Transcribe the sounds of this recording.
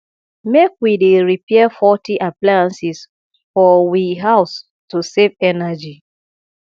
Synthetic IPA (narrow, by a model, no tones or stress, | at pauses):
mekwideɹipʰɛafɔtiʔaplaãnsis | fɔwiɦaʊs | tusevɛnad͡ʒi